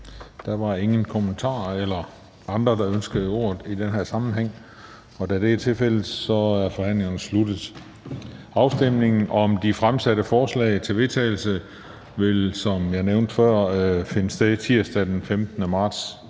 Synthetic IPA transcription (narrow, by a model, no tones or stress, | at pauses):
d̥æʋɑ̈e̝ŋənkʰomənt͡sʰɑ̰̈ːelɐ | ɑ̈nd̥ʁɐd̥ɑ̈ønsɡ̥əð̩ˠo̝̰ːɐð̩ˠid̥enɦæɐsɑ̈mn̩ɦeŋ̰ | ɒ̽d̥æd̥e̝æt͡sʰe̝lfel̰ð̩ˠsɒ̽æɐfɒ̽hæn̰le̝ŋɐnəslud̥ð̩ˠ | ɑ̈ʊsd̥em̰ne̝ŋn̩ʔɒ̽md̥ifʁamsæɾəfɒːslɛ̰ɪt͡sʰe̝ʋe̝t͡sʰɛ̰ːɪl̩sə | ʋe̝lsɒ̽mjɑ̈neʊnd̥fɶɐ̰fe̝nəsd̥eðˠt͡sʰiɐ̰sd̥æd̥enfemd̥nəmɑ̈ːd̥s